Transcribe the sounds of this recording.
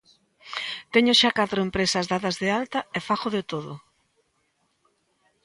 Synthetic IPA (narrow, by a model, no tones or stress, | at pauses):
t̪ɛɲoʃakat̪ɾoempɾesɐzðaðɐzðealt̪ɐɛfaxoðet̪oðo̰